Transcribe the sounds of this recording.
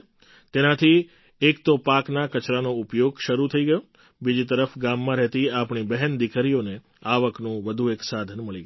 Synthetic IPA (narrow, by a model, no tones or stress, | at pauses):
t̪enat̪ʰi | ekt̪opaknakət͡ʃɾanoupjoɡʃəɾut̪ʰəiɡəjo | bid͡ʒit̪əɾəfɡamːãɾɛɦt̪iapɳibəɦɛnd̪ikʰəɾione | aʋəknũʋəd̪ʱueksad̪ʱənməɭiɡə